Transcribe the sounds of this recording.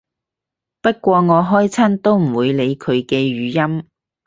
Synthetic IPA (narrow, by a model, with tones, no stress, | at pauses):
pɐ˥t̚kʷɔː˧ŋɔː˨˧ɦɔː˥jt͡sʰɐ˥nt̪o˥wm̩˨˩wuː˨˧jle˨˧jkʰɵ˨˧ɥkɛː˧ɥyː˨˧jɐ˥m